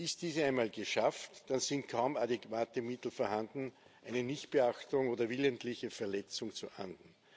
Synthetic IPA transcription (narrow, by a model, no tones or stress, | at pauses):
ɪst̚d̥iːzəæɪnmaːlɡəʃaftd̥ansɪntkʰaʊmadekv̥aːtəmɪt̪l̩fɔɐhandn̩ | ʔʔæɪnənɪçt̚b̥əaxtʊŋoːdɐvɪləntlɪçəfɛɐlɛt͡sʊŋt͡sṵʔã̰ndl̩ən̩